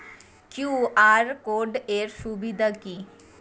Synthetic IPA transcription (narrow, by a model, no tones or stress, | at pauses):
kjuaɾkoɖeɾʃubid̪ʱaki